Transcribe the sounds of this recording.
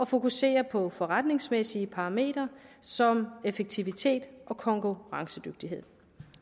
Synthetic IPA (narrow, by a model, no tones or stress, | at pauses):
ɒ̽fo̝kuse̝̰ːɐpʰɒ̽fɒ̽ʁad̥ne̝ŋsmesiəpʰɑ̈me̝̰ːd̥ɐsɒ̽mefeɡ̥̚t͡sʰiʋit͡sʰe̝̰ːd̥ʔɒ̽kʰɒ̽ŋkʰuʁɑ̈ŋsəd̥øɡ̥̚d̥iɦe̝ð̰ˠ